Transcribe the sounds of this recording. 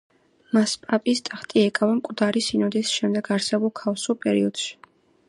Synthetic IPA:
maspʼapʼist̪ʼaχt̪ʼiɛkʼavamkʼvd̪aɾisinɔd̪isʃɛmd̪ɛɡaɾsɛbulˠkʰafsulˠpʼɛɾḭɔd̪̥ʃi̥

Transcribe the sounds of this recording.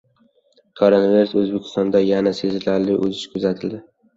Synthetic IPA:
kʰoɾonaviɾusɵzbekʲʰɪ̥st̪ɒnd̪ajanase̞zɪlaɾlɪʔɵ̰zɪʃkʰʊzat̪ʰɪld̪ɪ

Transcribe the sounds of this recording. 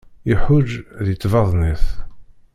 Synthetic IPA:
iħʊd͡ʒðjət͡s̪ːvɑðˤniθ

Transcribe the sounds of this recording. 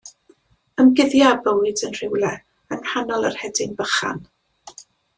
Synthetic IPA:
əmɡɪðjabəwɨdənr̥ɪwlˠɛ | ənhanɔlˠərhɛdɪnbəχa̰n

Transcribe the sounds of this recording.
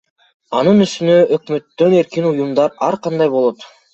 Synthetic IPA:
ɑnɯnyst̪ynøøkmø̞t̪ːø̞ne̞ɾkinujumd̪ɑɾɑɾqɑnd̪ɑjbo̞lˠo̞t̪

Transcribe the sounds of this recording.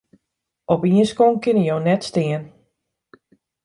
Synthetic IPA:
ɔpiənskoŋkɪnəjownɛtstɪən

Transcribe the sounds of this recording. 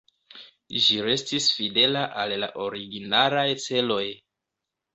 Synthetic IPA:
ʒiɾe̞stisfide̞laʔalla̰ʔo̞ɾiɡinaɾajt͡se̞lo̞j

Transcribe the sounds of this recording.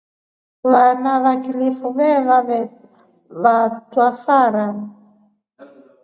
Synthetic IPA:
βanaβakilifuvɛβa | βatwafaɾa

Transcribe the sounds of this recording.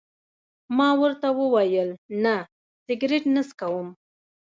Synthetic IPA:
mɑwəɾt̪awəwajəlna | sɪɡɾɪʈnəskawəm

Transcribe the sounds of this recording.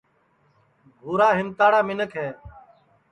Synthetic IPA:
ɡʱuːɾaːɦɪmt̪aːɽaːmɪnəkʰɦɛː

